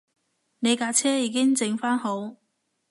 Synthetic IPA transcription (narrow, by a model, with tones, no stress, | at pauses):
ne˨˧jkaː˧t͡sʰɛː˥jiː˨˧˥kɪ˥ŋt͡sɪ˧ŋfaː˥nho˨˥w